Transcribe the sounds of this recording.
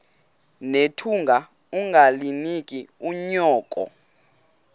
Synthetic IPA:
netʰuŋɡʱa | uŋɡʱalinikʼiuɲɔːkʼɔ̰

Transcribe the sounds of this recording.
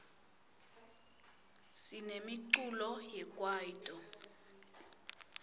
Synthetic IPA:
sinemiǀulɔjɛkʼwaːjitʼɔ

